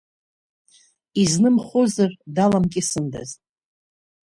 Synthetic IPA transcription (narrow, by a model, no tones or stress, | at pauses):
iznɨmχozɨrdalamkʲʼɪsɨnda̰ztʼ